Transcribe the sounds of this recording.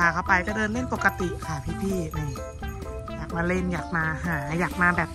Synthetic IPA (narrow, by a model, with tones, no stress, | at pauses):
a˧˩kʰa˥˩wpa˧jka˧˩dɤː˧nle˥˩npo˨˩kːa˧t̪i˨˩ʔkʰa˦˥˩pʰiː˥˩pʰiː˥˩ʔɯː˧˩m | jaː˨˩k̚maː˧le˥˩njaː˨˩k̚maː˧ɦaː˩˦jaː˨˩k̚maː˧bɛː˨˩p̚